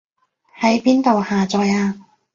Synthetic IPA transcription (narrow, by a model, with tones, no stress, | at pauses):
hɐ˨˥jpiː˥nt̪o˨whaː˨t͡sɔː˨jaː˧